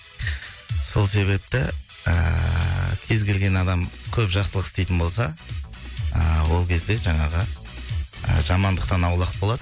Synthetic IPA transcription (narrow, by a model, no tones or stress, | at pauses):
so̞lˠse̞βe̞p̚t̪ɪ | ə̰ | kʲʰe̞zɡʲe̞lɡʲe̞nɑd̪ɑmkʲʰɵpʒɑqsəlˠəqɪst̪e̞jt̪ɪnbo̞lˠsɑ | əwo̞lˠkʲʰe̞zd̪e̞ʒɑɴɑʁə | ə̰ʒɑmɑnd̪əq̚t̪ɑnɑwlˠɑqbo̞lˠɑd̪ə